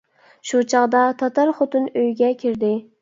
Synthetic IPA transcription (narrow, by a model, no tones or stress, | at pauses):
ʃut͡ʃʰɑʁd̪ɑt̪ʰɑt̪ɑɾχot̪ɨnøjɡʲɛkʲʰiɾd̪ɪ